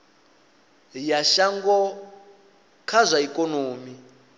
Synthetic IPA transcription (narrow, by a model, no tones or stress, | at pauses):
jaʃaŋɡɔ | kʰazʷaikʼɔnoːmi